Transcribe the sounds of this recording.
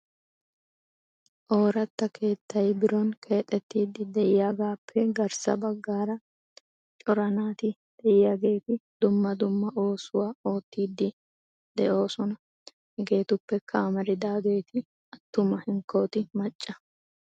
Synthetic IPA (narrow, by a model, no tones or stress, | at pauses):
ʔo̞ːɾɐt̪ːɐkʰe̞ːt̪ːɐjbɪɾɔnkʰe̞ːt̪ʼːɛt̪ːiːd̪ːɪd̪ɛʔɪjaɡaːpʰːɛɡɐɾsɐ̰bɐɡːaːɾɐ | t͡ʃʼɔɾɐnaːt̪ɪd̪̥ɛɪjɐɡe̞ːt̪ɪd̪̥ʊmːɐd̪ʊmːɐʔo̞ːsʊwaːo̞ːt̪ːiːd̪ːɪ | d̪ɛʔo̞ːsɔnɐ | hɛɡe̞ːt̪ʊpːɛkʰamɐɾɪd̪aːɡeːt̪ɪ | ɐt̪ːʊmɐhɪŋkːo̞ːt̪ɪmɐt͡ʃʼːɐ